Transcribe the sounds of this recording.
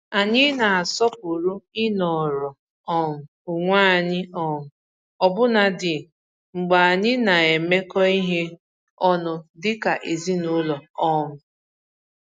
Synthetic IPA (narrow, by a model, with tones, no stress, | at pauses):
a˨ɲɪ˦na˨a˨sɔ˦p̚u˨ɾu˦ɪ˦nɔ˨ɾɔ˨ | ɔ˦ŋʊ˨ʊ˨ŋʷaː˦˨ɲɪ˦ɔ˦ŋʊ˨ | ɔ˨bʊ˦na˨dɪ˨ | ŋ͡m̩˨ɡ͡ba˨a˨ɲɪ˦na˨e˨me˦kɔ˦i˦ɦe˦ | ɔ˦nʊ˨dɪ˦ka˨ʔe˨zi˦nʊ˦lɔ˨ɔ˦ŋʊ˨